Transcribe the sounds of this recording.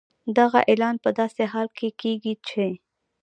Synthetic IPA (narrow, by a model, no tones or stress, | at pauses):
d̪aɣaʔelɑnpəd̪ɑseɦɑlkʰekeɡit͡ʃʰe